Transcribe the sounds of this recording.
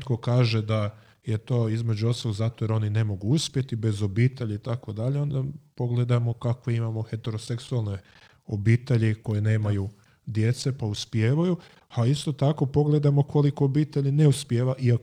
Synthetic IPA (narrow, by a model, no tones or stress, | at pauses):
t̪kokaːʒe̞d̪a | je̞t̪o̞ːizme̞d͡ʑuot̪solzaːt̪ʋojɾao̞nine̞mo̞ɡuuspje̞t̪ibe̞zo̞biːt̪e̞ʎait̪akʋo̞d̪aʎeo̞nd̪apo̞ɡle̞d̪amo̞kakʋeimamo̞xe̞t̪e̞ɾo̞se̞ksualˠne̞ | obiːt̪e̞ʎiko̞jene̞ːmaju | d̪je̞t̪se̞pauspjeːʋaju | aist̪o̞t̪ako̞po̞ɡle̞d̪amo̞kʰo̞liko̞obiːt̪e̞ʎineuspjeːʋaʔia